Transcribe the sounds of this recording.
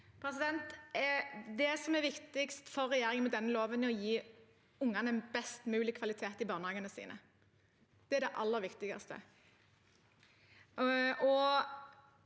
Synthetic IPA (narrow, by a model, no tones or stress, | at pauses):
pʰɾɛs̬ɪd̪ɛnt̪ɛd̪ɛsɔmɛɾʋɪkt̪ɪkst̪fɔɾːɛjeːɾɪŋənmɛd̪ɛnːəloːʋənɔjiː | ʊŋːɑnɛnbɛst̪mʉːlɪkʰʋɑlɪt̪ʰeːt̪ɪbɑːʁnəhɑːɡənəsḭːnʔə̰ | d̪̥ɛæɾɖɛʔɑ̰lːəɾʋɪkt̪ɪɡɑ̰st̪ə̰ | ɔ